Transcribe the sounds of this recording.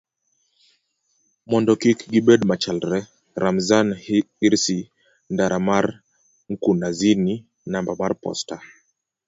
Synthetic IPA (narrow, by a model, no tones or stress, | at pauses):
mɔndɔkikɡiɓɛdmat͡ʃalɾɛ | ɾʔamzaniɾsi | ndaɾamaɾ | ŋ̩kunazini | nambamaɾpɔ̰sta